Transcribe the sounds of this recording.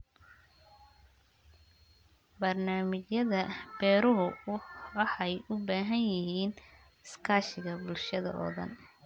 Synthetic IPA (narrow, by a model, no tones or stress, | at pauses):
bɐrnaːmɪt͡ʃjɐðɐb̥ɛːɾʊɦʊ | ħɑjʊbaːɦɐnjɪɦiːn | ɪskʰaːʃɪɣɐbʊlʃɐðɐ̰ʔɔ̰ːðɐ̰n